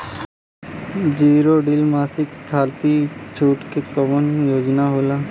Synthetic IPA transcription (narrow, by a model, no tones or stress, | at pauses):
d͡ʒiːɾoɖɪlmaːsɪkʰːaːlt̪it͡ʃʰuːʈkekəʋənjoːd͡ʒnaɦoːlaː